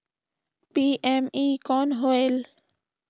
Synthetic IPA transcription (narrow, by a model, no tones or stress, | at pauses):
piʔemikɔnɦoel